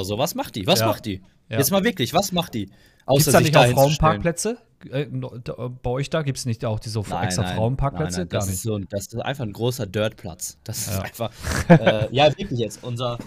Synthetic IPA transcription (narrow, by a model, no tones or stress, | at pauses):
zoːvasmaχtd̥iːvajsamaχt̚d̥iː | jaɛt͡stmaːlvɪɐklɪçv̥asmaχt̚d̥iː | ʔaʊiːsɐsdanɪçtaʊhfɪʁ̥aʊənpʰɐnplɛt͡sə | ɛnd̥b̥aɔʏçd̥aːɡiːptsnɪçtaʊxd̥iːzəfʔɛ̰kstʁɐfʁʁaʊənpʰaːkplɛnt͡səɡ̥aːɐnɪz̥oːnd̥asɪstʔa̰ɪnfaχn̩ɡʁoːsɐdœɐtpʰl̥a̰t͡sd̥asɪjsaːaɪnfaχʔɛːjaːvɪɐklɪçjɛt͡stʔʊnzɐ